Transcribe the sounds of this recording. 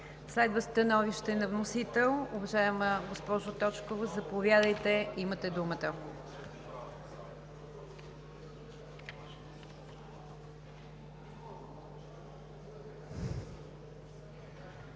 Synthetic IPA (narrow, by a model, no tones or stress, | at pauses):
slɛd̪vəst̪ɐnɔviʃt̪ɛnɐvnosit̪ɛlˠʊvɐʒajɛməɡospɔʒʊt̪ɔt͡ʃkovozɐpovʲjad̪əjt̪ɛimət̪ɛd̪umət̪ə